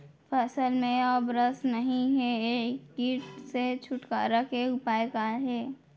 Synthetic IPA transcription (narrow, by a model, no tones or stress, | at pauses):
pʰəsəlmẽɔːbɾəsnɐɦĩɦɛeːkːiːʈset͡ʃʰʊʈka̰ːɾakeʊpaːjkaɦɛː